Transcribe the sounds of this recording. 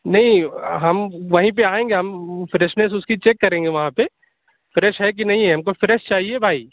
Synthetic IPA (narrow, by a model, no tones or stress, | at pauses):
nɐɦĩɦɐmʋɐɦĩp̬eaːẽːŋɡeɦɐmfɾɛʃnesʊskit͡ʃeːkːɐɾẽːŋɡeʋɐɦãpe | fɾɛːʃɦɛk̬inɐɦĩɦɛɦɐmkofɾɛːʃt͡ʃaːɦiebʱaːiː